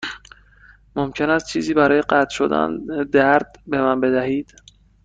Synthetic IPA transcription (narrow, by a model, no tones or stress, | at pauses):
momcʰe̞næst̪̚t͡ʃʰiːziːbæɾɒːjeɢæt̪ʰʃo̞̰d̪æ̰ned̪æɾd̪̥be̞mænbe̞d̪æhiːd̪̥